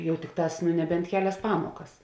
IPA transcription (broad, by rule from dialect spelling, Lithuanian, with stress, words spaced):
ˈjɛʊ ˈtʲɪkˌtɑːs nʊ nʲɛˈbʲɛnt ˈkʲæːˌlʲɛs ˈpɑːmoːkɐs